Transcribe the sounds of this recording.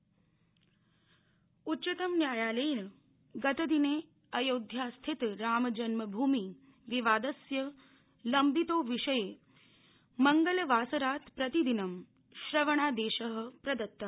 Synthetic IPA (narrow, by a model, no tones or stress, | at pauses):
utːɕɐt̪əmnjaːjaːleːnə | ɡət̪əd̪ineː | ɐjoːd̪ʱjast̪ʰit̪ɾaːmɐd͡ʒɐnməbʱuːmi | ʋiʋaːd̪əsjɐ | lɐmbit̪oːʋiʂəje | məŋɡəlʋaːsɐɾaːt̪pɾɐt̪id̪inɐm | ʃɾɐʋəɳ̃aːd̪eːɕəɦpɾɐd̪ɐt̪ːə